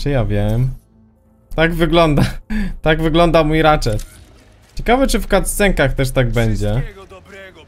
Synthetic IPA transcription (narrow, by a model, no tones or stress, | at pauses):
t͡ʂɛjavʲjɛm | t̪aɡvɘɡlɔnd̪at̪aɡvɘɡlɔnd̪amujɾat͡ʂɛt̪ | t͡ɕɛkavɛt͡ʂɘfkat̪ssɛŋkaxt̪ɛʂt̪aɡbɛɲd͡ʑɛ